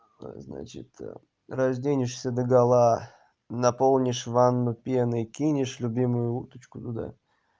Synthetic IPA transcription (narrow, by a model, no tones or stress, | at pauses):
zna̰t͡ɕɪ̰t̪ | rɐʐdʲenʲɪʂsʲəd̪əɡɐlˠa | nɐpo̞lˠnʲɪʂvanːʊpʲenəikʲinʲɪʂlʲʊbʲimʊjʊut̪ə̥t͡ɕkʊt̪ʊd̪a̰